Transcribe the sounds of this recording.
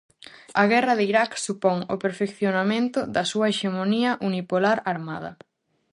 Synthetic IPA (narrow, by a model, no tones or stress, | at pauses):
ɐɣɛrɐðiɾaksupɔŋo̰peɾfekθjonamẽnt̪ʊðɐsuɐeʃemoniɐʔunipolaɾaɾmaðɐ̰